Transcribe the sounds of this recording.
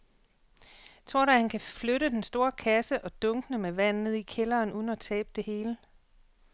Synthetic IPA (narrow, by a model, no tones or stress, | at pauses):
t͡sʰʁo̝ɐ̰ɾɑhænkʰæfløɾəd̥ensd̥o̝ːɐkʰæsəʔɒ̽d̥ɔ̽ŋɡ̥ənəmeʋæn̰ːð̩ˠikʰelɐːnʔuð̞ˠn̩æt͡sʰɛ̰ːb̥əd̥e̝he̝ːlə